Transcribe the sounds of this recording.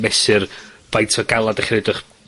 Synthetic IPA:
mɛsɨrb̥ajtʰɔɡalˠadaχrɛdʊχ

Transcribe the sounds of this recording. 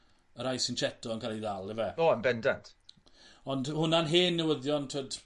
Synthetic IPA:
əɾajsint͡ʃʰɛtɔənkʰalˠiðalˠɛvɛoːəmbɛndantʰ | ɔndhʊnanɦeːnːəwəðjɔntʰoːd̥

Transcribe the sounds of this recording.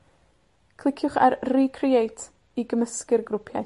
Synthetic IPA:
kʰlˠɪkʰjʊχa̰rriːkʰriejtʰ | iɡəməskɪrɡɾʊpʰja̰

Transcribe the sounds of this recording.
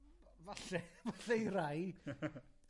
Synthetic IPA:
vaɬɛvaɬɛjɾaj

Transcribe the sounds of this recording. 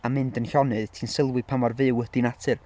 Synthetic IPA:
amɪndənhɔnɨðtʰiːnsɪlˠwɨpʰamɔrvɨwəd̥inatʰɨr

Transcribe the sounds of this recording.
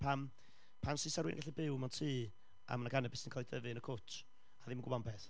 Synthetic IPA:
pʰam | pʰansɪsaɾwḭnə̰ɡaɬibɪwmantʰiː | ʔa̰manaɡanɛbɪsinkʰɔlˠidəvɨnəkʰʊt͡ʃʰ | aðimənɡmampʰɛθ

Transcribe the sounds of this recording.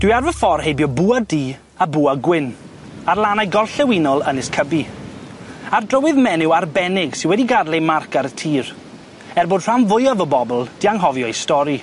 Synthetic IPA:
d̥wiarvəfɔrhejbjɔbuːadiː | abuːaɡwɪn | arlˠanajɡɔrɬɛwinɔlˠənɪskʰəbi | ardrəwɨðmɛnɪwarbɛnɪɡ̥sɪnwɛdiɡadlejmarkaɾətʰiːr | ɛrboːd̥r̥anvʊjɔvɔbɔbɔlˠd̥iaŋɦɔvjɔistɔɾi

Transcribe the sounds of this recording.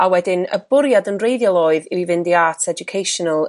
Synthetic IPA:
awɛdɪnə̰bʊɾjadənrejðjɔlˠoːɨðiwivɪndiatʰɛd͡ʒʊkʰejʃɔnəlˠ

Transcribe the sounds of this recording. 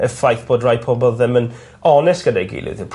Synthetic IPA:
əfajθb̥oːdrajpʰɔbɔlˠðɛmən | ɔnɛsɡ̥ədajɡḭlˠɪ̰ðɪpʰ

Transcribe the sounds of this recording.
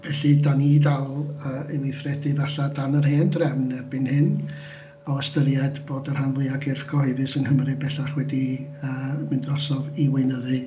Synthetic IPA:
vɛɬɨdanidallˠəːelɪθrɛdɨvaɬadanərheːndrɛvnb̥ɨnhɪn | ɔəstəɾjaɨd̥b̥oːdər̥hanlˠʊɨaɡɪrθɡɔhɔɨðɨsənhəmɾɨbɛɬaχwɛdiəːmɨndrɔsɔviwɪɨnəðɨ

